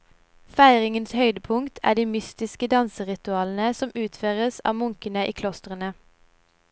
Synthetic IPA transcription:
fæɪʁɪŋənshœʏd̪əpʰʊŋkt̪ʰæ̰ːɖiːmʏst̪ɪskəd̪ɑnsəʁɪt̪ʉɑːln̩əsɔmʉːt̪føːʁəsɑ̰ːʋmʊŋkənəʔiːkʰlɔst̪ʁənə

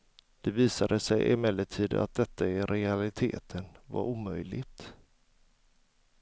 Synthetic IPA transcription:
d̪̥ɛviːsad̪əsɛjʔɪ̰mɛlːəʈʰiːd̪əa̰t̪̚d̪ɛt̪ʰːaɛɾɛalɪt̪ʰḛːt̪ʰənva̰ɾuːmœjlɪɡ̚t̪

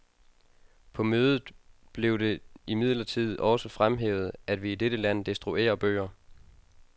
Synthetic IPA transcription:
pʰɒ̽møːðˠð̩ˠb̥le̝ʊd̥e̝imið̞̰ˠlɐt͡sʰið̰ˠɒ̽səfʁamɦḛːʊð̞̩ˠæd̥ʋiːd̥eɾ̥əlæn̰d̥isd̥ʁuʔe̝̰ːɐb̥ø̰ːɐ

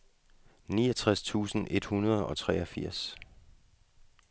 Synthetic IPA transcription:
niːɒt͡sʰʁast͡sʰṵːsn̩ʔe̝d̥hunɐð̞ˠɒ̽t͡sʰʁɛːɒfiɐ̰s

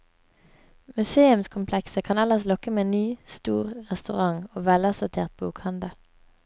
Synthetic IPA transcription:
mʉseːʉmskʰʊmpʰlɛksəkʰɑːnɛləʁslɔkəmeːeːnyːst̪ṵːʁʁɛst̪ʉʁɑŋoːʋɛləsʊt̪ʰḛːʁt̪̚buːkhɑnd̪əl

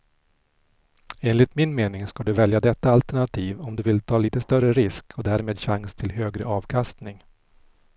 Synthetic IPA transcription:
eːnlɪt̪mɪnmeːnɪŋskad̪ɵvɛljad̪ɛt̪ːaalt̪æɳat̪ʰiːvɔmd̪ɵvɪlt̪ʰɑːliːt̪əst̪œrəɾɪskʰɔd̪æːɾmeːd̪ɕaŋst̪ʰɪlɦøːɡɾə̰ʔɑːvkʰast̪nɪŋ

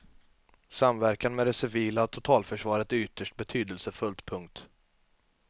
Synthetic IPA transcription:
samvæɾkanmɛd̪ɛsɪviːlat̪ʰʊt̪ʰɑːlfœʂvɑːɾət̪ʏt̪ːəʂʈ̚bɛt̪ʰyːd̪əlsəfɵlt̪pʰɵŋkt̪

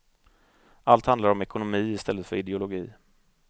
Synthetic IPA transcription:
ʔalt̪hand̪aɾɔmɛkʊnʊmiːɪst̪ʰɛlːət̪fœɾɪd̪ɛʊlʊɡḭː

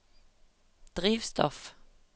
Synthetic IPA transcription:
d̪̥ʁiːʋst̪ɔf

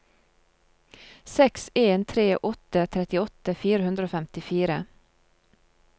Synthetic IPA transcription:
sɛkseːnt̪ʰɾeːʔɔt̪ət̪ʰɾɛt̪ɪɔt̪əfiːɾəhʉnd̪ɾoːfɛmt̪ɪfiːɾə

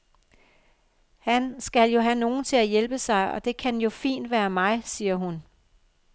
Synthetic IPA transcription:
hænsɡ̥æljo̝ɦæno̝ːn̩t͡sʰe̝læjelb̥əsɑ̈ɪʔɒ̽d̥e̝kʰænjo̝fḭːnd̥ʋæːɐmɑ̈ɪsiːɐɦun

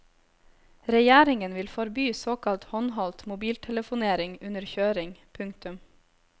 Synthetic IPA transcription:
ɾɛjæːɾɪŋənʋɪlfɔɾbyːsoːkʰɑlt̪hɔnɦɔlt̪mʊbiːlt̪ʰɛləfʊneːɾɪŋʉnəɾçøːɾɪŋpʰʉŋk̚t̪ʉm

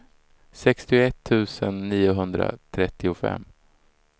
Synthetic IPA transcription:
sɛkst̪ɪʊɛt̪ʰːʉ̟ːsənːiːʊɦɵnd̪ɾa̰t̪ʰɾɛt̪ːɪʊfɛ̰mː

